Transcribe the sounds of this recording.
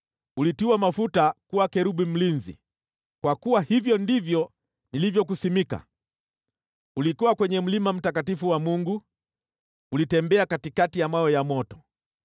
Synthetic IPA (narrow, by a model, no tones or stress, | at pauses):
ulitiuwamafutakuwakɛɾuɓim̩linzḭ | kwakuwahivjɔndivjɔ | nilivjɔk̬usimika̰ | ulikuwakwɛɲɛm̩limam̩takatifuwamuŋɡu | ulitɛmbɛakatikatijamwaɛjamɔtɔ̥